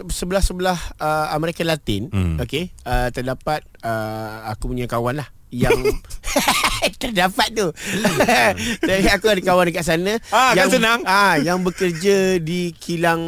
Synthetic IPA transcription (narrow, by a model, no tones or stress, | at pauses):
səbəlahsəbəlahəməɾekalat̪ɪ̰nokeət̪ərdapat̪̚əakupuɲakawanlah | jaŋ | t̪ərdapat̪̚t̪u | aakuadəkawandəkaʔsanə̃ajaansənaŋajaŋbəkərd͡ʒadikʰilaŋ